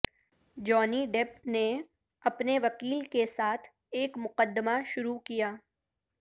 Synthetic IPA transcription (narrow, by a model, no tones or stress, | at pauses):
d͡ʒɔːniɖeːpne | ɐpneʋɐkiːlkesaːt̪ʰ | eːkmʊqəd̪ːəmaʃʊɾukijaː